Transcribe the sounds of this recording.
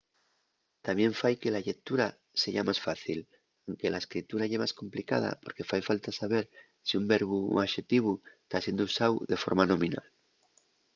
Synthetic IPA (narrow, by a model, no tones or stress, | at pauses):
t̪amje̞ɱfajke̞laʎe̞t̪uɾa | se̞ʝamasfaθil | awŋke̞laeskɾit̪uɾaʝemaskõ̞mplika̰ð̞a̰po̞ɾke̞fajfalt̪asaβ̞e̞ɾ | siumbe̞ɾβuaʃe̞t̪iβ̞ust̪asje̞nd̪ousawðe̞fo̞̰ɾmanõ̞mĩna̰l